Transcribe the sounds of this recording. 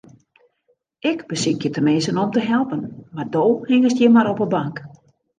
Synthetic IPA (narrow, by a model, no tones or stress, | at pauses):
ɪkbəsɪkjətəmɪsənɔmtəɦɛlˠpənmardoːhɪŋəstjɛmaɾɔpəbaŋk